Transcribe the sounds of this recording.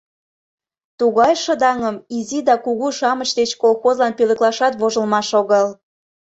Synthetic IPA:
t̪uɣɑjʃə̆d̪ɑŋəmizid̪ɑkuɣuʃɑmət͡ɕd̪et͡ɕkolxozlɑnpølə̆klɑʃɑt̪βoʒə̆lmɑʃoɣəl

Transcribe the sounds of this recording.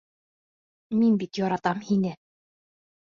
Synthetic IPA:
minbit̪joɾɑt̪ɑmhinɘ

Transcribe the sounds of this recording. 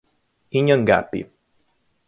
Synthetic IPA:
iɲəŋɡa̰pːḭ

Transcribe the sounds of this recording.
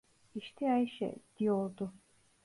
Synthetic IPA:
iʃt̪ʰiajʃɛ̰d̪̥ijoɾd̪ʊ

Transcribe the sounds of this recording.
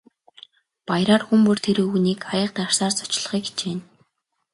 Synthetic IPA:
pajɾaːrxumpɵ̆r̥t̪ʰeɾɘ̆ːxuniːkajə̆q̚t̪arsaːrsɔ̥t͡ɕɮ̆χiːkt͡ɕeːn

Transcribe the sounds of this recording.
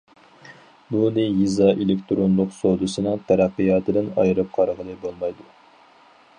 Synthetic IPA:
bunɨjizɑʔelɪkʲt̪ʰɾonlˠʊqsod̪ɨsɨnɨŋt̪ʰæɾæqːijɑːt̪ʰɨd̪ɪnɑ̰jɾɨp̚qʰɑɾʁəlˠɨbolˠmɑjd̪u

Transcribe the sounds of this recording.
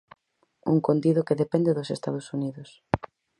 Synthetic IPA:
ṵŋkond̪iðokeðepɛnd̪eðʊsest̪að̞ʊsuniðʊs

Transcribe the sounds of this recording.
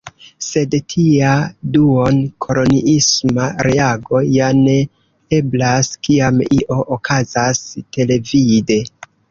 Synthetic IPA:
se̞dtʰiaduonkʰo̞lo̞niʔismaɾe̞aɡo̞jane̞ | eblaskiamiʔo̞ʔokʰazaste̞le̞vide̞

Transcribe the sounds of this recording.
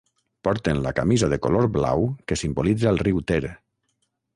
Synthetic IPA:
pɔɾt̪enlakamizaðeko̰loɾbla̰wkesimbolid͡zaːlˠriwt̪eɾe

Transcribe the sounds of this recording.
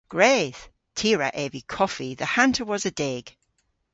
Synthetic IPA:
ɡ̥ɹeð̥ | tʰiːɹə̰ʔeːvikʰɔfiðəhãntʰəwɒzədeɡ̥

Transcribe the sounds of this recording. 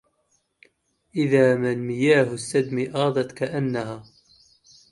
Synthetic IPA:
ʔɪðaːmanmɪjaːɦʊsːad̪miʔɑːd̪ˤɑt̪kaʔanːaɦaː

